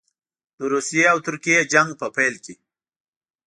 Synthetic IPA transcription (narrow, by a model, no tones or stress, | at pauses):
d̪̥əɾusijeawt̪ʊɾkijed͡ʒaŋɡ̚pəpajlke